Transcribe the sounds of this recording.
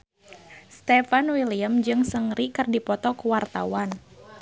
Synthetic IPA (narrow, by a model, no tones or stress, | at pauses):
st̪ɛfanwiliamd͡ʒɨŋsəŋrikɨrdipɔt̪ɔkuwart̪a̰wan